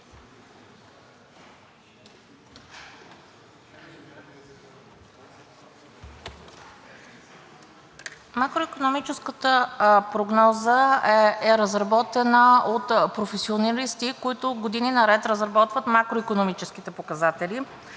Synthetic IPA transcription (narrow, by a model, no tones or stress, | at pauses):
makɾoikonomit͡ʃɛskət̪əpɾoɡnɔzəɛɛɾəzɾɐbɔt̪ɛnəot̪pɾofɛsionɐlist̪ikoit̪ʊɡod̪ininɐɾɛt̪ɾəzɾɐbɔt̪vət̪makɾoikonomit͡ʃɛsk̟it̪ɛpokɐzat̪ɛli